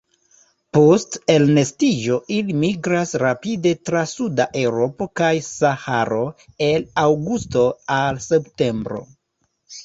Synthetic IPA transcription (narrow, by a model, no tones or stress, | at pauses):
poste̞lne̞stid͡ʒo̞ʔilimiɡɾasɾapide̞tɾasudaʔe̞wɾo̞po̞kajsahaɾo̞e̞lawɡusto̞alse̞pte̞mbɾo̞̰